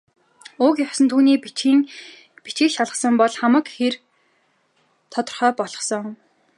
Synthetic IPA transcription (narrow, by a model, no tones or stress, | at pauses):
ʊkjasə̆nt̪ʰuːniːpːŋ | pit͡ɕĭkʃaɮʁə̆χsə̆mpɔɮχamə̆kxer | t̪ʰɔt̪ɞ̆rχœːpɔɮɞ̥̆sɞ̆ŋ